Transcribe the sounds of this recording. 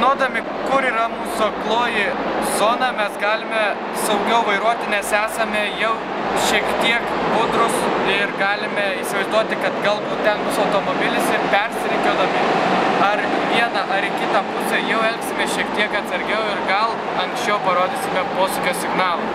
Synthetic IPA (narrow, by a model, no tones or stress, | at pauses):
noːd̪ɐmʲɪ | kʊɾiːɾɐmuːsoklˠoːjɪzoːnɐmʲɛsɡɑːlʲɪmʲɛ | sɐʊɡʲɛʊʋɐɪɾuɔt̪ʲɪnʲɛsæːsɐmʲɛjɛʊ | ʃʲiɛkt̪ʲiɛkbʊd̪ɾʊsɪɾɡɑːlʲɪmʲɛisʲɪʋɐɪzd̪uɔt̪ʲɪkɐt̪ɡɐlˠbuːt̪̚t̪ʲɐŋkʊsɐʊt̪oːmoːbʲɪlʲɪsɪɾpʲɛɾʲsʲɪɾʲɪŋkʲɛd̪ɐmʲɪɐɾʋʲiɛnɐʔɐɾɪkʲɪt̪ɐmpʊsʲejɛʊɛlʲksʲɪmʲeːʃʲiɛk̚t̪ʲiɛkɐt̪sɐɾʲɡʲɛʊɪɾɡɐlˠ | ɐŋksʲt͡ʃʲɛʊpɐɾoːd̪ʲiːsʲɪmʲɛpoːsʊkʲoːsʲɪɡnɑːlˠo